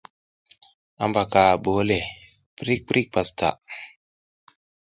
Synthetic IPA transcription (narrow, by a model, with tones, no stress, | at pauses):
a̰˦mba˨ka˨ɓoː˨˦le˨ | pɾi˦k̚pɾi˦k̚pa˨sta̰˨ʔ